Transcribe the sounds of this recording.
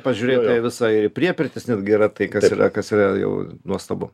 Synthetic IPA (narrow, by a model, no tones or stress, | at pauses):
pɐʒʲuːɾʲeːt̪ʲɐʋʲɪsɐɪɾɪpʲɾʲiɛpʲɪɾʲt̪ʲɪsnʲɛd̪ɡʲɛɾɐt̪ɐɪkɐsiːrɐ̰kɐsiːrɐjɛ̰ʊnuɔst̪ɐbʊ̰